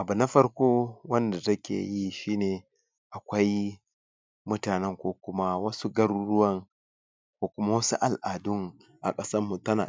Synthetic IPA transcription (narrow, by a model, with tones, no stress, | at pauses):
ʔa˨bu˨na˦ɸɐ˦rkʷoː˦wɐ˦nda˨tɐ˦kʲḛ˨ji˦ʃiː˦neː˨ | ʔa˨kʷɐ˦j | mʊ˦taː˨nɛ˦ŋkʷoː˦kʷʊ˦ma˦wɐ˦su˦ɡɐ˦ɾɽʊ˦wɐ˦ŋ | kʷoː˦kʷʊ˦ma˦wɐ˦su˦ʔa˨lʔaː˨dʊ˦ŋ | ʔa̰˨kʼɐ˦sɐ˦rmu˨tɐ˦na̰ː˨